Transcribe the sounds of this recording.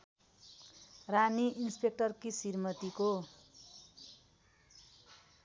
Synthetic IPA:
raniʔinspek̚ʈʌrkisirmʌt̪iko

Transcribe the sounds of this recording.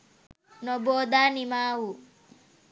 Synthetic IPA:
noboːd̪aːnimaːwu

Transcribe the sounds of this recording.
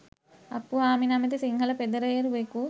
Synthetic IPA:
ɐ̰pːuaːminaːmɐt̪̬isiŋɦɐlɐped̪ɐɾɐjeɾuʋeku

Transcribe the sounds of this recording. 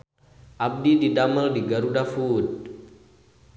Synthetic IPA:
ʔab̚dididaməldiɡaɾudafut̚

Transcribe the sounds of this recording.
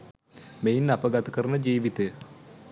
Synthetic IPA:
meinːɐpəɡat̪ɐkəɾənəd͡ʒiːʋit̪ejə

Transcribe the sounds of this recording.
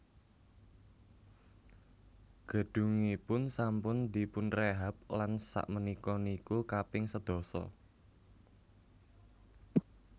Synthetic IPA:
ɡ̥ə̤ɖ̥ṳŋipʊnsampʊnd̪i̤pʊnreɦap̚lansa̰ʔmənikɔnikukapɪŋsəd̪̥ɔ̤sɔ̰

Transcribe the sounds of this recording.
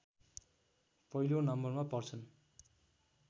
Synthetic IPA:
pʌilonʌmbʌrmapʌrt͡sʰʌn

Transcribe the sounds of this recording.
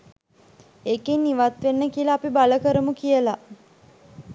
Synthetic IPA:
ekenːiʋat̪ʋenːəkiəlaːpibaləkəɾəmukijəla

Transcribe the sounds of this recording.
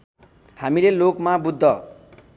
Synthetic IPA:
hamilelokmabud̪ʱːʌ

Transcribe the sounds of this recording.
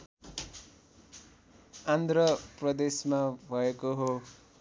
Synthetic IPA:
and̪ʱrʌprʌd̪esmabʱʌekoɦo

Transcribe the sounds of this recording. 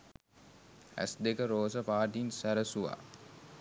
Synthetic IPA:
æ̰sd̪ekəɾoːsəpaːʈinsæɾəsuʋa̰ː

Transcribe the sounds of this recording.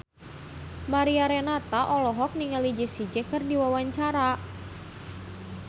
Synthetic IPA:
maɾiaɾɛnat̪aʔɔlɔɦɔk̚niŋalid͡ʒəsid͡ʒɛkɨrdiwawaɲt͡ʃaɾa

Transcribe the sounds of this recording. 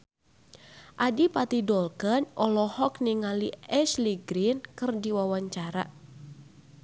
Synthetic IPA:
ʔadipat̪idɔlkənʔɔlɔhɔkniŋaliɛsliɡɾinkɨrdiwawaɲt͡ʃaɾa̰

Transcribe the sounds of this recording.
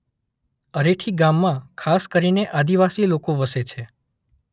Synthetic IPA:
əɾeʈʰiɡamːãkʰaskəɾineʔad̪iʋasilokoʋəset͡ʃʰe

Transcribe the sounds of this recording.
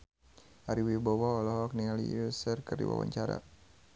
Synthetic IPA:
aɾiwibɔwaɔlɔɦɔk̚nialḭusərkərdḭwa̰wa̰ɲt͡ʃaɾa̰

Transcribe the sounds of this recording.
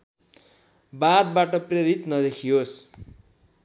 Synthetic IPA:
bad̪baʈʌpreɾit̪nʌd̪ekʰios

